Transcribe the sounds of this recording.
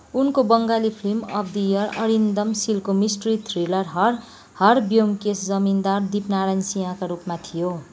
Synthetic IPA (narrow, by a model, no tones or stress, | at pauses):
unkobʌŋɡalipʰrimʌ̰bd̪ijʌrʌɾind̪ʌmsilkomisʈrit̪ʰrilʌrɦʌr | hʌrbjomkesd͡zʌmind̪ard̪ipnaɾajnsiɦãkaɾupmat̪ʰijo